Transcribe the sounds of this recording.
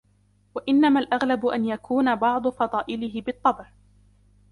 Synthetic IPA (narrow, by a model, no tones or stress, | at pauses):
waʔɪnːamalʔaɣlabʊʔanjakʰuːnabɑʕd̪ˤʊfɑd̪ˤɑːʔɪlɪɦɪbɨt̪ˤːɑbʕ